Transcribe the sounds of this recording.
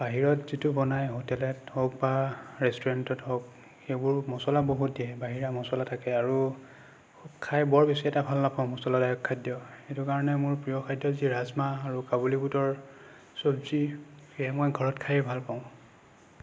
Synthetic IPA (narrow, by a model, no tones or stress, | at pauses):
b̥aɦiɹɔtz̥itʊbɔnajɦotɛlɛthɔk̚baɹɛstuɹantɔtɦɔk̚ | xejbʊɹmɔsɔlaboɦut̚diɛbaɦiɹamɔsɔlatʰakɛaɹu | ukʰajbɔɹbesiɛtabʱalnapaʊ̃mɔsɔlɔdajɔkʰːajdjɔetukaɹɔnɛmʊɹpɹiɔkʰajdjɔziɹazmaːɹukabolibutɔɹ | sobzixejamɔjɡʱɔɹɔtkʰajɛbʱalpaʊ̃